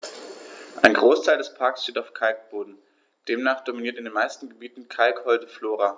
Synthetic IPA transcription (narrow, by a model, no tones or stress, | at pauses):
ʔaɪnɡʁoːstʰaɪldɛspʰaɐksʃteːtaʊfkʰalk̚b̥oːdn̩ | d̥eːmnaːχd̥ominiɐtɪndeːnmaɪstn̩ɡəbiːtn̩kʰalkhɔltəfloːʁa